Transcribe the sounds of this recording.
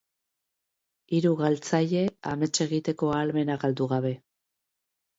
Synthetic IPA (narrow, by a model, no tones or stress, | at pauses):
iɾuɣalt͡saʎe̞ame̞t͡ʃe̞ɣit̪e̞ko̞alme̞naɣald̪uɣaβ̞e̞